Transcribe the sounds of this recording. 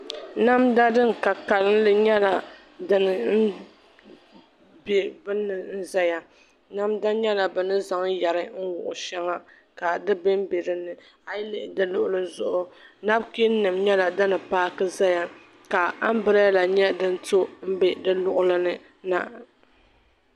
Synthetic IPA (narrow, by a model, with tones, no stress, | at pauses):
na˦mda˦dɨ˦ŋ˨ka˨ka˨lɨ˦n˦lɨ˦ɲɛ˦la˨ | dɨ˨nɨ˨n̩˦ | be˨bɨ˦nːɨ˨n̩˦za˦ja˨ | na˦mda˦ɲɛ˦la˨bɨ˨nɨ˦za˨ŋjɛ˨ɾɨ˦ŋ̩˦wʊ̰˨ʔʊ̰˨ʃɛ˦ŋa˦ | ka˨dɨ˦bɪ˦m˦be˨ɾɨ˨nɨ˨ | a˨jɪ˦lɪ˦ʔɪ˨dɨ˦lʊ˦ʔʊ˦lɨ˨zʊ˦ʔʊ˦na˦bki˦nɨ˨mɲɛ˦la˨dɨ˦nɨ˨paː˦kɨ˦za˦ja˦ | ka˨a˦m˦bɨ˦ɾa˦la˨ɲɛ˦dɨ˦n˦to˦m̩˦bɛ˦dɨ˦lʊ˦ʔʊ˦lɨ˦nɨ˦ | na˨